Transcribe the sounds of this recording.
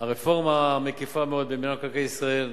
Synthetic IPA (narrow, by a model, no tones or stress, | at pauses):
aʁefo̞ʁmamekefameo̞d̪̚beminakakajisʁael